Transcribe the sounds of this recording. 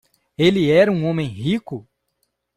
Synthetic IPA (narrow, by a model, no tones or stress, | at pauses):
elɪɛɾɐũõmẽj̃ɦikʊ